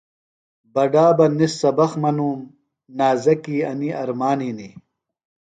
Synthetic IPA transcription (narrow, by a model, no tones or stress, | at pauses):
bɐɖaːbɐnisːɐbɐxmɐnuːm | naːzɐkiːɐniɐɾmaːnini